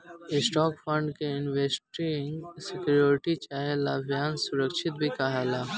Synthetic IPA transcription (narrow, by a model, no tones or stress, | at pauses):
ɪsʈɔːkpʰə̃ɳɖkeɪnʋeːsʈɾiŋsɪkjoːɾɪʈit͡ʃaːɦelaːbʱjaːnsʊɾəkʃʰɪt̪̚bʱikaɦaːlaː